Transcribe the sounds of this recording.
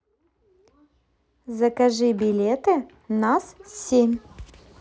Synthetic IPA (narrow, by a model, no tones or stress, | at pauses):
zəkɐʐɨbʲɪlʲet̪ɨ | nassʲemʲ